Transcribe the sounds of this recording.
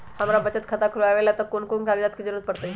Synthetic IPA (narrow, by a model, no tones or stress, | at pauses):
həmɾabət͡ɕət̪̚kʰət̪akʰulaʋelat̪əkonkonkaɡd͡ʑat̪̚kid͡zəɾuːɾət̪̚pəɽt̪əi